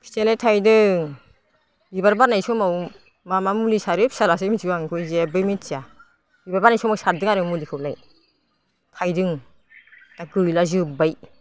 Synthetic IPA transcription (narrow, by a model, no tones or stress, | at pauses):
kʰi̥telajtʰajdɯ | ibaɾbaɾnajsɔmaw | mamamulisaɾep̚salas̬emit͡ʃiaŋkʰɯjzebɯjmit͡ʃia | ibaɾbaɾnajsɔmawsaɾdɯŋaɾɯmulikʰɯwlaj | tʰajdɯŋ | taɡɯjlazɯbaj